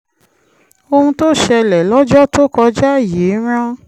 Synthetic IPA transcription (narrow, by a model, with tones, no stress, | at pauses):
o˧hũ˧to˦˨ʃɛ˧lɛ˨lɔ˦d͡ʒɔ˦to˦˨kɔ˧d͡ʒa˦˨je˨˦ɾ̃ã˦